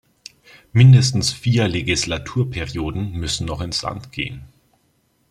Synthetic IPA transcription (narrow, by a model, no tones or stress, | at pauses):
mɪndəstn̩sfiːɐleɡislatʰuːɐpʰɛʁioːdn̩mʏsn̩nɔχɪnsla̰ntɡ̥ḛːən